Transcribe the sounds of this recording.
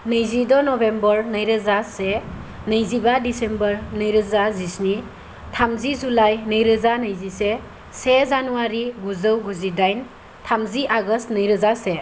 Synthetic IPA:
nɯjzidɔnɔbembɔɾnɯjɾɯzase | nɯjzibadisembəɾnɯjɾɯzazisni | tʰamzizulajnɯjɾɯzanɯjzise | sezanuwaɾiɡuzəwɡuzidajn | tʰamziʔaɡəstnɯjɾəzase

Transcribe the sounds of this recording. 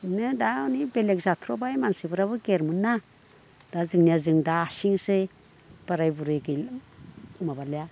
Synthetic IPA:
nɯdaɔnibelek̚zatʰɾɔbajmansibɯɾaβɯɡeɾmunːa | d̥azɯŋniazɯŋdaːsiŋsɯ | b̥aɾajbuɾɯjɡɯjl | mabaleja

